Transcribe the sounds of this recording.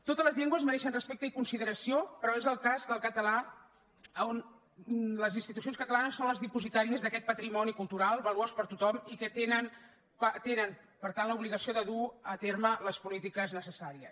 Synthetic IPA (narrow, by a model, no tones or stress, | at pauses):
t̪ot̪əzləzʎeŋɡwəzmənɛʃənrəspek̚t̪əikunsiðəɾəsiopɾɔezəlˠkazd̪əlˠkət̪əla | əon | ləzinst̪it̪usionskət̪əlanəsːonləzðipuzit̪aɾiəzðəkɛt̪̚pət̪ɾimɔnikulˠt̪uɾalˠbəluospəɾt̪ut̪ɔmikət̪enən | ət̪enən | pəɾt̪anləuβliɣəsioðəðuət̪ermələspulit̪ikəznəsəsaɾiəs